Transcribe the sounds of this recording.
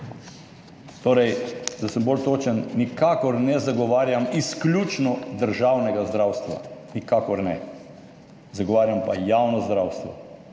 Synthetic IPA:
t̪oːɾɛjd̪asəmbolt̪oːt͡ʃənːikakɔɾnɛzaɡɔʋaːɾjamisklʲut͡ʃnɔd̪əɾʒawnɛɡazd̪ɾawst̪ʋa̰nikaːkɔɾnɛ | zaɡɔʋaːɾjampajawnɔzd̪ɾawst̪ʋɔ̰

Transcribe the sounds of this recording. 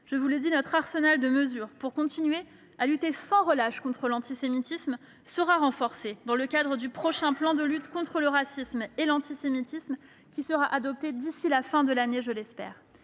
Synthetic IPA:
ʒ̥əvuled̪inɔt̪χaʁsənald̪əməzyːʁpuʁkɔ̃t̪inɥe | alyt̪esɑ̃ʁəlaʃkɔ̃t̪χəlɑ̃t̪isemit̪ism | səʁaʁɑ̃fɔʁsed̪ɑ̃ləkʲad̪ʁəd̪ypχɔʃɛ̃plɑ̃d̪əlyt̪kɔ̃t̪χələʁasismelɑ̃t̪isemit̪ism | kʲisəʁaʔad̪ɔp̚t̪ed̪isilafɛ̃d̪əlaneʒəlɛspɛ̰ːʁ

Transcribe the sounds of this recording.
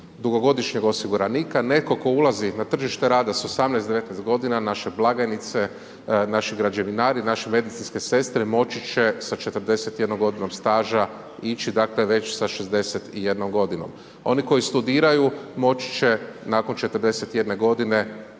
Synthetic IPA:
d̪uɡo̞ɡo̞d̪iʃɲeɡo̞siɡuɾaniːkane̞ko̞ko̞ulˠazinat̪r̩ʒiʃt̪eɾaːd̪asosamnɛjstd̪e̞ʋe̞t̪nɛjst̪̚ɡo̞d̪inanaʃe̞blˠaɡanit̪se̞ | naʃiɡɾad͡ʒaʋinaːɾinaʃime̞d̪it̪sinske̞se̞st̪ɾemo̞t͡ʃit͡ʃesat͡ʃe̞t̪əɾd̪e̞set̪jed̪nomɡo̞d̪ino̞mst̪aːʒa | it͡ʃid̪akleʋe̞t͡ʃsaʃezd̪e̞set̪ije̞d̪no̞mɡo̞d̪ino̞̰m | o̞̰niko̞ist̪ud̪iːɾajumo̞t͡ʃi̥t͡ʃe̞nako̞nt͡ʃe̞t̪əɾd̪e̞set̪je̞d̪ne̞ɡo̞d̪ine̞

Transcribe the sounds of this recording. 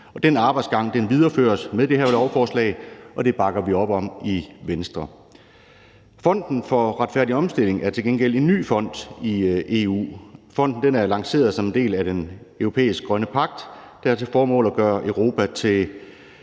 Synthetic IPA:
ɒ̽d̥enɑ̈ːb̥ɑ̈ɪd̥sɡ̥ɑ̈ŋ̰d̥enʋið̞ˠɐfø̰ːɐsmeðˠd̥e̝hæɐlɒʊɐfɒːslɛ̰ɪʔɒ̽d̥e̝b̥ɑ̈ɡ̥ɐʋiɒ̽b̥ɒ̽miʋensd̥ʁɐ | fɒ̽n̰d̥n̩fɒ̽ʁɑ̈d̥fæɐd̥iɒ̽msd̥e̝le̝ŋʔæɐt͡sʰe̝lɡenɡ̥el̰e̝nːy̰ːfɒ̽n̰d̥iʔe̝ːṵːfɒ̽n̰d̥n̩d̥enæɐlɑ̈ŋse̝̰ːɐðˠsɒ̽mend̥e̝̰ːlæd̥enøʊʁo̝pʰḛːisɡ̥̚ɡ̥ʁɶnəpʰɑ̈ɡ̥̚d̥d̥æɐt͡sʰe̝fɒːmɔ̰̽ːlæɡ̥ɶːɐʔœʊʁo̝ːpʰæt͡sʰe̝l

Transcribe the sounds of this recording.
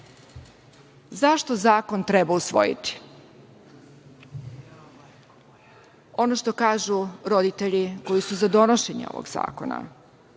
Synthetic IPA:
zaʃt̪o̞zaːko̞nt̪ɾɛbausʋo̞̰jḭt̪i̥ | o̞noʃt̪o̞kaːʒuɾo̞d̪it̪eʎiko̞jisuzad̪o̞noʃe̞ɲḛo̰ʋo̰ɡza̰ːko̞̰na̰

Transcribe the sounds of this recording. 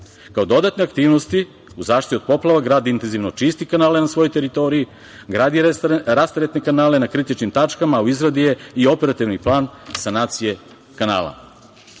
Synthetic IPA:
kaod̪o̞d̪at̪neakt̪iːʋnost̪i | uzaːʃt̪io̞d̪̚po̞plˠaʋaɡɾaːd̪iint̪enziʋno̞t͡ʃist̪ikanaːlenasʋo̞jojt̪e̞ɾit̪o̞ɾiji | ɡɾaːd̪iɾast̪aɾet̪nekanaːle̞nakɾit̪it͡ʃnimt̪at͡ʃkamauizɾad̪ijeio̞peɾat̪iʋniplˠaːnsanaːt̪sije̞ | kana̰ːlˠa̰

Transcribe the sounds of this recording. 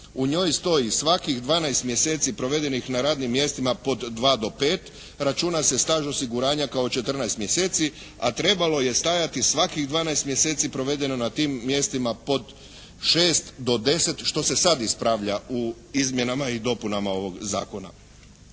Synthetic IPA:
uɲo̞jst̪o̞jisʋakiɣd̪ʋaːnajst̪mje̞se̞ːt̪sipɾo̞ʋe̞d̪e̞nixnaɾaːd̪nimːje̞st̪imapo̞d̪ːʋaːd̪o̞pe̞ːt̪ | ɾat͡ʃuːnasest̪aːʒo̞siɡuɾaːɲakaot͡ʃe̞t̪r̩najst̪mje̞se̞ːt̪si | at̪ɾe̞balo̞je̞st̪ajat̪isʋakiɣd̪ʋaːnajst̪mjese̞ːt̪sipɾo̞ʋe̞d̪e̞nonat̪iːmːje̞st̪imapo̞d̪ | ʃeːst̪d̪o̞d̪e̞se̞t̪ʃt̪o̞se̞sad̪ispɾaʋʎau | izmje̞namaid̪o̞punamao̞ʋo̞ɡza̰ːko̞na̰

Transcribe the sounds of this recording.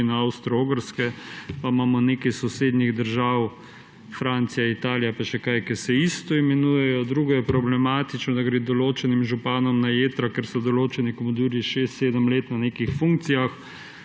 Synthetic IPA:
naawst̪ɾɔoɡəɾskɛpamaːmɔnekajsɔseːd̪niɣd̪əɾʒaːw | fɾant̪sijait̪aːlijapaʃɛkajkɛɾsɛist̪ɔimɛnuːjɛjɔd̪ɾuːɡɔjɛpɾɔblɛmaːt̪it͡ʃnɔd̪aɡɾeːd̪ɔloːt͡ʃɛnimʒupaːnɔmnajeːt̪ɾakeɾsɔd̪ɔloːt͡ʃɛnikomɔd̪uːɾiʃest̪seːd̪əmleːt̪naneːkixfuŋk̚t̪sijax

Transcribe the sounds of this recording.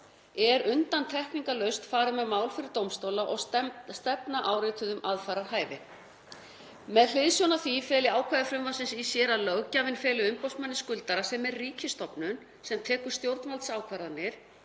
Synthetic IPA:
ɛɾʏnt̪ant̪ʰɛhkniŋkalœɥst̪faːɾʏmɛðmaːwlfɪɾɪɾt̪owmst̪owlaʔɔɣst̪ɛpnaʔaːwɾɪt̪ʰʏðʏmaðfaɾaɾ̥haːjvɪ | mɛðl̥ɪðsjownaθvifɛːlɪaːwkʰvaðɪfɾʏmvasɪnsisjɛːɾalœɣcavɪnfɛːlɪʏmpowsmanːɪskʏlt̪aɾasɛmɛɾriːcʰɪst̪ɔpnʏn | sɛmt̪ʰɛːkʏɾ̥st̪jowɾt̪nvalt̪saːwkʰvaɾðanːɪɾ̥

